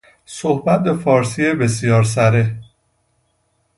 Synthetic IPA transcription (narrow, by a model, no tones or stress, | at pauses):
sohbæt̪̚be̞fɒːɾsiebe̞s̬ijɒːɾs̬æɾe